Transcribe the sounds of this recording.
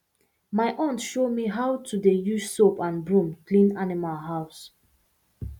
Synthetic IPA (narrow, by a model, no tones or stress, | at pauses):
maɪʔɔ̃ntʃomiɦaʊwtʰudejud͡ʒsopãnbɹũmklĩnanimalˠɦaʊs